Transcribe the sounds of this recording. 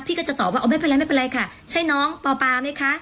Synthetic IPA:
pʰiː˥˩kɔ˥˩t͡ɕa˨˩t̪ɔː˨˩p̚waː˥˩ʔma˥˩jpe˧la˧jma˥˩pe˧nla˧jkʰa˥˩ | t͡ɕʰa˦˥˩jnɔː˦˥ŋpɔː˧paː˧na˥˩jkʰa˦˥ʔ

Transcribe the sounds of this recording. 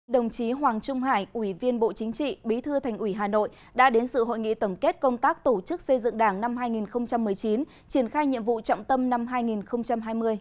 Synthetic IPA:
ɗə˨˩wŋ͡mt͡ɕi˨˦ɦwaː˨˩ŋt͡ɕʊ˧ŋ͡mɦaː˧˩jʔwi˧˩vi˧ənɓo̰˧˨t͡ɕï˨˦ŋ̟t͡ɕḭ˧˨ɓi˨˦t̪ʰɨ˧t̪ʰɛ˨˩jŋ̟ʔwi˧˩ɦaː˨˩no̰˧˨j | ɗa̰ː˧˥ɗe˨˦nsɨ̰˧˨ɦo̰˧˨jŋḭ˧˨t̪ə˧˩mke˦˥t̚kə˧wŋ͡mt̪aː˦˥k̚t̪o˧˩t͡ɕɨ˦˥k̚sə˧jzɨ̰˧˨ŋɗaː˧˩ŋna˧mɦaː˧jŋi˨˩nxə˧wŋ͡mt͡ɕa˧mːɨ˨˩əjt͡ɕi˨˦n | t͡ɕi˧˩ənxaː˧jɲḭ˧əmvṵ˧˨t͡ɕɔ̰˧˨wŋ͡mt̪ə˧mna˧mɦaː˧jŋi˨˩nxə˧wŋ͡mt͡ɕa˧mɦaː˧jmɨ˧əj

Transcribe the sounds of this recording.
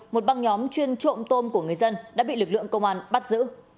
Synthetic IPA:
mo˨˩t̚ɓa˧ŋɲɔ˨˦mt͡ɕwi˧ənt͡ɕo̰˧˨mt̪o˧mku˧˩əŋɨ˨˩əjzə˧nɗa̰ː˧˥ɓḭ˧˨lɨ˨˩k̚lɨ̰˧˨əŋkə˧wŋ͡mʔaː˧nɓa˦˥t̚zɨ̰˧˥

